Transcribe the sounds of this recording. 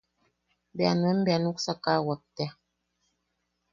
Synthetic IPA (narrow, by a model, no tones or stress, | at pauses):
bjanənbianuksakawak̚tɛ